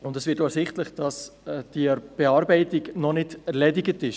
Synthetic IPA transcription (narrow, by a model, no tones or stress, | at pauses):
ʊndɛsvɪtoəsɪχtləχd̥ɑsd̥ib̥eɑːɾbɛɪtɪɡnɔnɪdɛɾlɛdɪɡətɪʃ